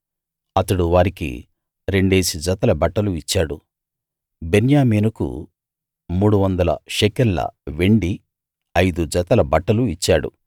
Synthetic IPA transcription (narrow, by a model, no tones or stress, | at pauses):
ɐt̪ɐɽuʋaːɾikḭ | ɾe̞ɳɖeːsid͡ʒɐt̪ɐlɐbɐʈːɐluit͡ʃːaːɽṵ | benjaːmeːnɐkṵ | muːɽuʋɐnd̪ɐlɐ̰ʃekɐɾlɐ̰ʋe̞ɳɖi | ɐjd̪ud͡ʒɐt̪ɐlɐbɐʈːɐluit͡ʃːaːɽṵ